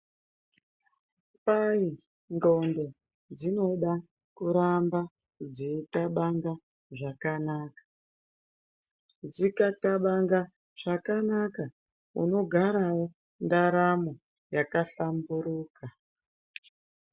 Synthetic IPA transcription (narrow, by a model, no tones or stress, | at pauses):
pai | ndo̞ndo | d͡zino̞ɗa | kuɾamba | d͡zetaɓaŋɡa | ʐakanaːkḁ | d͡zikataɓaŋɡa | ʐ̥akanaka | ṵno̞ɡʱaɾao | ndaɾamo | jakaɬambuɾuːka